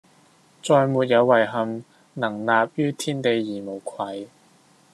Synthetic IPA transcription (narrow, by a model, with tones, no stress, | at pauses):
t͡sɔː˧jmuː˨t̚jɐ˨˧wːɐ˨˩jɦɐ˨m | nɐ˨˩ŋnaː˨p̚jyː˥t̪ʰiː˥nt̪e˨˧jːiː˨˩mo˨˩wkʰwɐ˨˧˥j